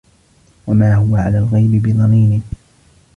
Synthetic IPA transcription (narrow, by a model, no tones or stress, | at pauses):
wamaːhʊwaʕalaːlɣajbɪbɪðˤɑniːnɪ